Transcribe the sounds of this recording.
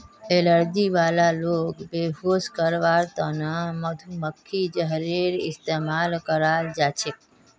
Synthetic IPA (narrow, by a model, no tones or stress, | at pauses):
eləɾd͡ʒiʋalalokbeɦoskəɾʋaɾt̪ənaməd̪ʱuməkʰːid͡ʒəɦɾiɾɪ̰st̪emalkəɾald͡ʒat͡ʃʰe